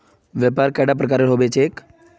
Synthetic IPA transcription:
ʋjəpaɾkaɽap̬ɾəkaɾeɾɦobet͡ʃeːk

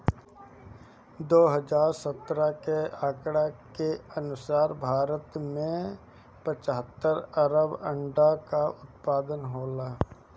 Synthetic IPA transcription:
d̪oːɦəd͡ʒaːɾsət̪ːɾakeaːkɽakeənʊsaːɾbʱaːɾət̪mẽ | pət͡ʃəɦət̪ːəɾəɾəbə̃ɳɖakaʊt̪̚paːd̪ənɦoːlaː

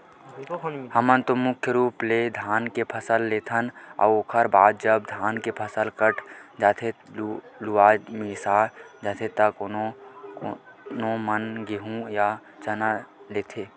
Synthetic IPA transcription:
həmənt̪omʊkʰjəɾuːpled̪ʱaːnkepʰəsəlːeːt̪ʰənɔ̰ːoːkʰəɾbaːd̪̚d͡ʒəb̚d̪ʱaːnkepʰəsəlkəʈʰd͡ʒaːt̪ʰe | luaːd͡ʒmisaːd͡ʒaːt̪ʰet̪əkn | nõmənɡeɦũja | t͡ʃənaleːt̪ʰeː

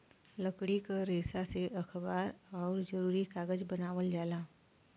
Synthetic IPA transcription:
ləkɽikaɾeːsaseʔɐkʰbaːɾɔːɾd͡ʒəɾuːɾikaːɡəd͡ʒbɐnaːʋəld͡ʒaːlaː

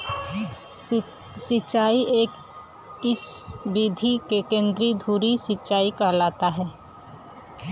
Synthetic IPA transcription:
sɪt͡ʃaːiʔeːk | ɪsbid̪ʱikekẽːnd̪ɾid̪ʱuːɾisɪʃaːikalaːt̪aɦɛː

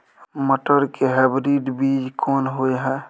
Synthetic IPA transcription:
məʈəɾkeɦɛbɾiɖbiːd͡ʒkʰɔːnɦoeɦɛ

